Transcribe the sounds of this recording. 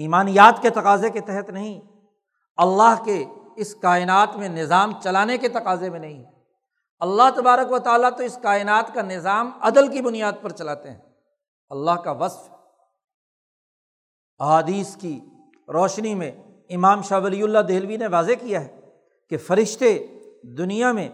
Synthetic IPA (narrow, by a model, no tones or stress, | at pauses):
iːmaːnijaːt̪ket̪ɐqaːzeket̪ɛɦət̪nɐɦĩ | ɐlːaɦkeɪskaːɪnaːt̪mẽnɪzaːmt͡ʃɐlaːneket̪ɐqaːzemẽnɐɦĩ | ɐlːaɦt̪ɐbaːɾəkʋɐt̪aːlat̪oɪskaːɪnaːt̪kanɪzaːmɐd̪əlkibʊnijaːd̪̚pɐɾt͡ʃɐlaːt̪eɦɛ̃ː | ɐlːaɦkaʋɐsf | ɐɦaːd̪iːski | ɾɔːʃnimẽ | ɪmaːmʃaːʋɐliʊlːad̪eːlʋineʋaːzekijaɦɛ | kefɐɾɪʃt̪ed̪ʊnijamẽ